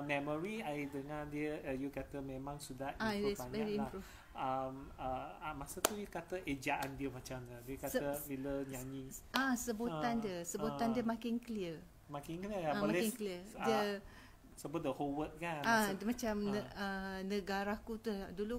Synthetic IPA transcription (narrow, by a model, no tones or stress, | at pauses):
meməɾiajdəŋãndiəjəkat̪əmẽmãŋsudahiaanvɛɹiilmapɾuf | əməmasət̪ujəkat̪əʔed͡ʒaʔandiəmat͡ʃamd̪ədiəkat̪əbiləɲãɲĩasəbuandiəsəbut̪andiəmãkɪŋkəliə | makɪŋkəliəjaãɔmalɛɪŋkəliəiə | səbʊt̪̚dəhowət̪̚kanamãt͡ʃamnəənəɡaɾakut̪udulu